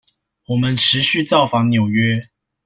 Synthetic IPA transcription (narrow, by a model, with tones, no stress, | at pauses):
wɔ˨˩mə˨˦nʈ͡ʂʰɻ̩˨˧˦ɕy˥˨t͡sɑ˥˨ʊfɑ˧˥ŋnjo˨˩ʊɥɛ˦